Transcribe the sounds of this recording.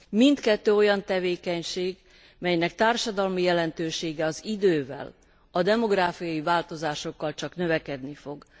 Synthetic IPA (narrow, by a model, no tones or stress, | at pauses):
mint̪kɛt̪ːøːo̞jɒnt̪ɛveːkɛɲʃeːɡ | mɛjnɛkt̪aːrʃɒd̪ɒlmijɛlɛnt̪øːʃeːɡɛɒzid̪øːvɛ̰l | ɒd̪ɛmo̞ɡraːfijɒjivaːlt̪o̞zaːʃo̞kːɒlt͡ʃɒknø̞vɛkɛd̪nifo̞ɡ